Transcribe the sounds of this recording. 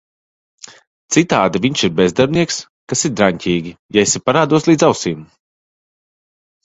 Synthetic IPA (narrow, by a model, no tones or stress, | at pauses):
t̪sit̪aːd̪aviɲʃiɾbezd̪aɾbniɛks | kasiɾd̪ɾaɲcʲiːɡʲijaesʲipaɾaːd̪uɔslˠiːd̪zawsiːm